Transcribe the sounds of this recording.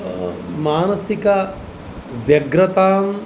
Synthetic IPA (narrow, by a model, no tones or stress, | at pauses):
maːnɐsikɐ | ʋjɐɡɾɐt̪aːm